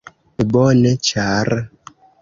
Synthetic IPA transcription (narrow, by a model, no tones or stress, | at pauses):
ebɔnɛt͡ʃaɾ